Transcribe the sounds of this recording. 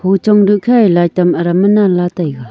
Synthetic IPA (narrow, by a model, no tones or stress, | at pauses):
pʰot͡ɕoŋɖ͡ʐəʔkʰaelat̪amɾamənalat̪ajɣa